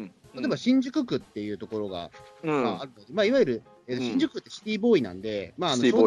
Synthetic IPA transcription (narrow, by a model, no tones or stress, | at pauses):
t̪aat̪oebaɕĩɲ̟d͡ʑɨkɯ̟kɯ̟t̪ːe̞jɯ̟ːt̪o̞ko̞ɾo̞ɡa̰maaɾɯ̟nod̪e̞maːiβajɯɾɯ̟ | eːt̪oɕĩɲ̟d͡ʑɨkɯ̟t̪ːeɕi̥t̪ʲiːbo̞ːinã̰nd̪e̞maːnoo